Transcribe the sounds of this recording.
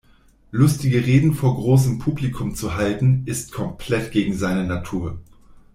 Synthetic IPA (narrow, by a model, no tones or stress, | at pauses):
lʊstɪɡəʁeːdn̩foːɐɡʁoːs̬əmpʰuːblikʰʊmt͡suɦaltn̩ɪstkʰɔmpʰl̥ɛtɡ̥eːɡŋ̩zaɪnənatʰuːɐ